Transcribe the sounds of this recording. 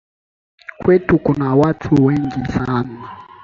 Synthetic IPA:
kwetʰukʼunawatʰuwɛŋɡisaːna

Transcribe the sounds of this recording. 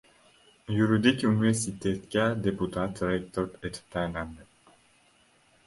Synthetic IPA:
juɾid̪ikʲyniveɾsit̪et̪kʲæd̪eput̪ʰat̪ɾek̚t̪oɾd̪et̪i̥p̚t̪ʰæelænd̪ɪ

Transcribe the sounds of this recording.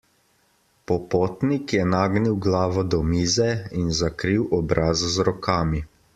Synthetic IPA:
pɔpoːt̪nikjɛnaːɡniwɡlaːʋɔd̪ɔmiːzɛinzakɾiwʔɔbɾʔaːzzɾɔkaːmi

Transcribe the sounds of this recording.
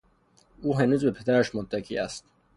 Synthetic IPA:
uːɦenuːzbepʰed̪æɾæʃmod̪ːækʰḭːæ̰st̪

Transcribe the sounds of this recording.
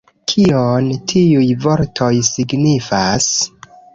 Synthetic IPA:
kʰiontʰiujvo̞ɾtʰo̞jsiɡnifas

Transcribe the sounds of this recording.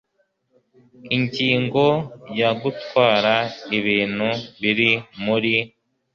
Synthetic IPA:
iɲɟiːŋɡo̞jaɡutwaːɾaiβiːn̥huβiɾimuɾi

